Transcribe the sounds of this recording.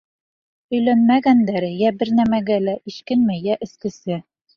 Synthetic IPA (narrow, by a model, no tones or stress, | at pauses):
ɵ̆jlænmæɡænd̪æɾɘjæbɘɾnæmæɡælæʔiʃkɘnmɘjæʔɘ̆skɘ̆sɘ